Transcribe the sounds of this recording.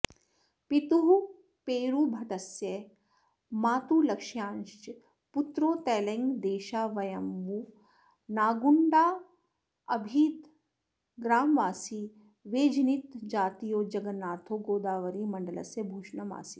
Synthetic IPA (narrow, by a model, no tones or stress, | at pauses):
pit̪uɦu | peːɾubʱɐʈɐsje | maːt̪uːlɐkʂjãːnʃt͡ʃ | put̪ɾoːt̪ɛːlɐŋɡd̪eːʃaːʋɐjɐmʋu | naːɡuɳɖaː | ɐbʱiːt̪ | ɡɾaːmʋaːsi | ʋeːd͡ʒnit̪d͡ʒaːt̪ijoːd͡ʒɐɡɐnːaːt̪ʰoːɡoːd̪aːʋɐɾiːmɐɳɖɐlɐ̰sjɐbʱuːʃɳɐma̰ːsi